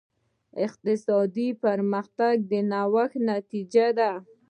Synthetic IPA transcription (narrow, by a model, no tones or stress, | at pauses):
ɪq̚t̪ɪsɑd̪ipaɾmaxt̪aɡ̚d̪ənawaxnat̪id͡ʒad̪a